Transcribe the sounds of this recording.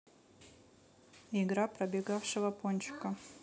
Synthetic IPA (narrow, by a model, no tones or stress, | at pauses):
ɪɡɾapɾɐbʲɪɡafʂɨvɐponʲt͡ʃkɐ